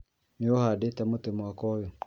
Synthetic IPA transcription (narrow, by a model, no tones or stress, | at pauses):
neohadetɛmotemwakɔjɔ